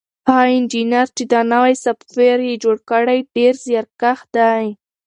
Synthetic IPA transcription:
aɑɪnd͡ʒinaɾt͡ʃed̪ɑnawajsaffeɾjed͡ʒoɽkəɽajɖeɾzjɑɾkaxd̪aj

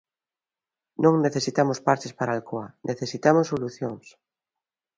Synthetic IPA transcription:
nõŋneθesit̪amospaɾt͡ʃespaɾalkoanʔeθesit̪amosːoluθjoŋs

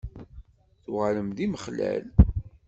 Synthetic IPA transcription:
θuʁələmðiməχlæ̰l

